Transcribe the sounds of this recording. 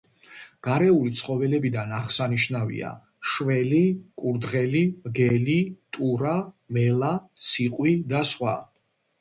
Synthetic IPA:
ɡ̥aɾɛulit̪sʰχɔvɛlɛbid̪anaχsaniʃnavḭa̰ | ʃvɛlikʼuɾd̪ʁɛliɡɛlit̪ʼuɾa | mɛlat̪sʰiqʼwid̪asχwa̰

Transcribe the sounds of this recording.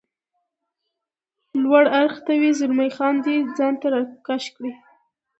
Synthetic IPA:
lwaɽaɾxt̪awizʊɾmajxɑnd̪ed͡zɑnt̪aɾɑkaʃkɽi

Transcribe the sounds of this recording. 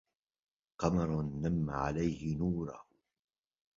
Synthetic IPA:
qɑmɑɾˤnːamːa̰ʕa̰lajhɪnuːɾˤɑ̰h

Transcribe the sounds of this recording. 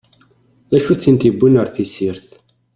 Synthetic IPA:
æʃut͡sːint̪ibːunəɾθisiɾθ

